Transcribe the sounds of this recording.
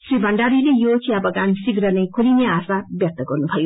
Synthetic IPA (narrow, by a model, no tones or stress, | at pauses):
sɾibʱʌɳɖaɾilejot͡ʃʰiʌbʌɡansiɡɾʌnɐjkʰolineaːsabjʌk̚t̪əɡʌɾnubʱʌjo